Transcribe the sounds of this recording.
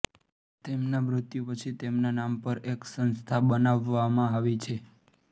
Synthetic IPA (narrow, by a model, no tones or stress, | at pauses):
t̪emnamɾʊt̪jupət͡ʃʰit̪emnanampəɾeksənst̪ʰabənaʋːamãaʋit͡ʃʰe